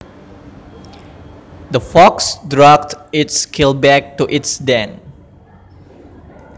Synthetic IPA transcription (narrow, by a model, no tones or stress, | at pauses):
d̪əfɔksdɹak̚tɪtskʰɪlbɛk̚tuʔɪtsdɛ̃n